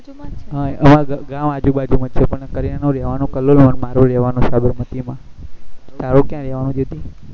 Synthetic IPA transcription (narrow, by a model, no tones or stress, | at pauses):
ɦaəmãɡãmad͡ʒuɓad͡ʒumət͡ʃʰepəɳnekəɾinanũɾɛʋanũkəlolmənmaɾʋəɾɛʋanõsabɪɾmət̪imã | t̪aɾõkjãɾɛʋanũd͡ʒed̪i